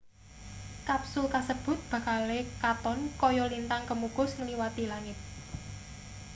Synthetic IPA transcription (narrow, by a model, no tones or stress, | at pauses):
kapsʊlkasəb̥ʊ̤t̪̚b̥ä̤kalekat̪ɔnkɔjɔlint̪aŋkəmukʊsŋəliwat̪ilaŋɪt̪̚